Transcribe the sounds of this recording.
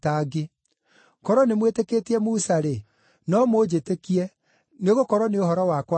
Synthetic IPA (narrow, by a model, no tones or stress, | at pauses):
taɡe | kɔɾɔnemweteketeɛmusaɾe | nɔmod͡ʑetekiɛ | neɣokɔɾwɔneohɔɾɔwakwa